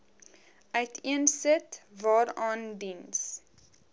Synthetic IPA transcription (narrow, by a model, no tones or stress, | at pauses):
ʔœɥtʰiənsətvɑːɾɑːndins